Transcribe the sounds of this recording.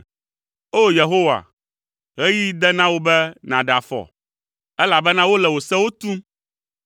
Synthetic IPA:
o˦je˨ɦo˦wa̰˨ | ɣɛ˦ji˦d̪ɛ˦nã˦wo˦bɛ˦nã˨ɖa˨fɔ̰˨ | ɛ˦la˨bɛ˦nã˦wo˦lɛ˨wo˨sɛ˦wo˦t̪u˦m

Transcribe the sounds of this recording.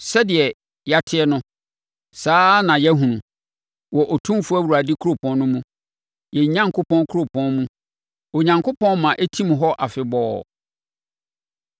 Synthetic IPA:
sɛ˦dɪ˨ɛ˨ | ja˨tʰɪ˦ɛ˦nʊ̃˦ | saː˦nã˨jɛ˦ɦũ˨nũ˨ | wɔ˨ʔɔ˨tʰũ˦fʊ˦æ˦wu˨ɾa˨dɪ˦kʰu˦ɾo˦˨pʰɔ̃˨nnʊ̃˦mũ˦ | jɛ˨ɲã˦ŋkʰo˦pʰɔ̃˦nkʰɾo˦˨pʰɔ̃˦nmũ˦ | ɔ˨ɲã˨ŋkʰo˦pʰɔ̃˦nmã˨ʔæ˦tʰi˦m̃˨ɦɔ˦ʔa˨fɪ˨bɔː˦

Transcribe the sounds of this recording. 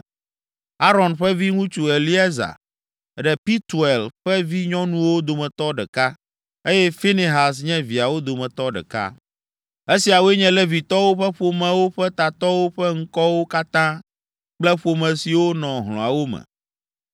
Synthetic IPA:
a˦ɾɔ̃˨nɸɛ˦vi˦ŋũ˦t͡ʃu˦˨e˨lli˦ɛ˦za̰˨ | ɖɛ˨pi˦t̪u˨e˨lɸɛ˦vi˦ɲɔ̃˦nũ˦wo˦d̪o˨mɛ̃˨t̪ɔ˦ɖɛ̰˨ka˦ | e˦jɛ˦fi˦ni˨ɦa˨sɲɛ̃˦vi˨a˨wo˦d̪o˨mɛ̃˨t̪ɔ˦ɖɛ̰˨ka̰˦ | e˦si˨a˨wo˦e˦ɲɛ̃˦lɛ˦vi˨t̪ɔ˦wo˦ɸɛ˦ɸo˨mɛ̃˨wo˦ɸɛ˦t̪a˨t̪ɔ˦wo˦ɸɛ˦ŋ̩˦kɔ˦wo˦ka˦t̪ã˦ | k͡plɛ˦ɸo˨mɛ̃˨si˨wo˦nɔ̃˨ɦl̃ɔ̰̃˨a˨wo˦mɛ̰˨

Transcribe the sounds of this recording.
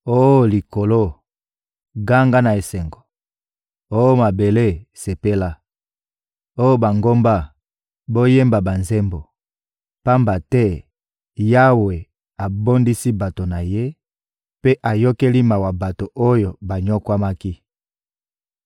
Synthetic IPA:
o˦˨li˨ko˨lo˦ | ɡa˦ŋɡa˦na˨e˨sɛ˨ŋɡo˨ | o˦jo˦ma˨be˨le˦˨se˨pe˦la˦ | o˦jo˦ba˨ŋɡo˦mba˦ | bo˦je˦mba˨ba˨nze˦mbo˨ | pa˦mba˨tɛ˦ | ja˦we˨ | a˨bo˦ndi˦si˦ba˨to˨na˨je˦ | pe˦ʔa˨jo˦ke˦li˦ma˨wa˨ba˨to˨ʔo˦jo˨ba˨ɲɔ˦kwa˦ma˦ki˦

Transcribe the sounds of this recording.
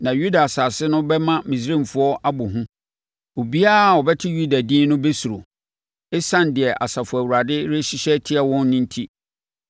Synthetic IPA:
nã˨ju˦da˨sa˨sɪ˦nʊ̃˦bɛ˦mã˦mĩ˨s̬ɾĩ˦˨mfʊ˦ɔ˦ʔa˦bʊ˨ɦʊ̃˦ | o˨bi˦a˦˨ɔ˨bɛ˦tʰɪ˦ju˦da˨dĩː˦nʊ̃˦be˦su˨ɾo̰˨ | ɪ˦sã˦ndɪ˨ɛ˨ʔa̰˨sa˨fʊ˨æ˨wu˨ɾa˨dɪ˦ɾɪ˦ɕi˦ɕɛ˦tʰɪ˦ɛ˦wɔ̃˦nːɪ̃˦n˦tʰi˦

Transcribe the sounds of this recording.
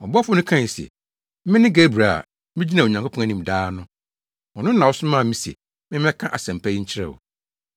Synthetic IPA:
ɔ˨bɔ˦fʊ˦nʊ̃˦kʰã˦˨si˨ɛ̰˨ | mɪ̃˦nɪ̃˦ɡe˦bɾa˨a̰˨ | mɪ̃˦d͡ʑi˦nã˨ɲã˨ŋkʰʷo˦pʰɔ̃˦a˨nĩ˨m˨daː˦nʊ̃˦ | wɔ˨nʊ̃˦n̩˦nã˨wɔ˦sʊ˦mã˦˨mĩ˦si˨ɛ̰˨ | mɪ̃˦m˦ɛ̃˦kʰã˦ʔa˨sæ̃˨m˨pʰæ˦ji˦ɲ̩˦t͡ɕʰɪ˦ɾɛ̰˦˨wɔ̰˨

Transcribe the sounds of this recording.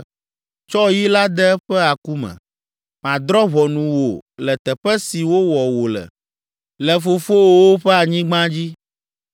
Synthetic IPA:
t͡ʃɔ˦ji˦la˦d̪ɛ˦ɛ˦ɸɛ˦a˨ku˦mɛ̰̃˨ | mã˨d̪ɾɔ˦βɔ˨nũ˨wo̰˨lɛ˨t̪ɛ˨ɸɛ˦si˨wo˦wɔ˨wo˨lɛ̰˨ | lɛ˨fo˨fo˦wo˦wo˦ɸɛ˦a˨ɲĩ˦ɡ͡bã˦d͡ʑi˦

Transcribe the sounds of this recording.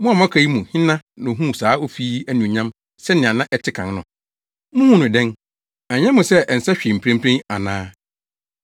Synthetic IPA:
mʊ̃˦a˨mã˦kʰa˨i˦mũ˨hɪ̃˦nã˦nʊ̃˨ɦũ˦˨saː˨˦o˦fi˦æ˦nĩ˨ɲã˦m | sɛ˦nɪ̃˨ã˨nã˦ʔɛ˦tʰɪ˦kʰã˨n˦nʊ̃˨ | mʊ̃˦hũ˦nʊ̃˨dɛ̃˦n | a˨ɲɛ̃˦mʊ̃˨sɛ˦ʔn̩˨sɛ˦ɕᶣi˨m̩˨pʰɾẽ˦m˦pʰɾẽ˦a˨nãː˦

